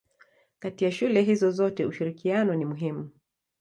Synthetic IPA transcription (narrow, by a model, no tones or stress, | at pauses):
katiaʃulɛɦizɔzɔtɛuʃiɾikianɔnimuɦimu